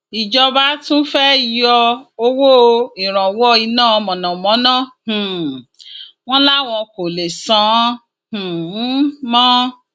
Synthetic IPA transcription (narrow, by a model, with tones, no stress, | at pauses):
i˨d͡ʒɔ˧ba˦tũ˦fɛ˦i˨jɔ˧o˧wo˦˧i˨ɾ̃ã˨wɔ˦i˧nãː˦˨˧mɔ̃˨nã˨mɔ̃˨˦nãː˦˨h̩˨ | w̃ɔ̃˦la˦˨w̃ɔ̃˧ko˨le˨sã˨˦ | h̩˨˦ | mɔ̃˦